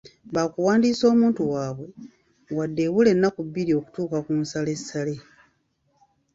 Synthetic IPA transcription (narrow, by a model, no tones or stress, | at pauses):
βaːkuwaːndiːso̞ːmuːntuwaːβwe̞ | wadːe̞βule̞nːakubːiɾio̞ku̥tuːkakumsale̞sːale̞